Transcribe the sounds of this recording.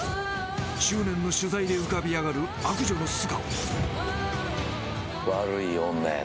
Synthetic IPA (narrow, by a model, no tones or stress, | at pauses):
ɕɨːnẽ̞nːo̞ɕɨzaid̪e̞ɯ̟kabʲiaɡaɾɯ̟ | akɯ̟ʑo̞no̞sɨɡa | βaɾɯ̟ionːa̰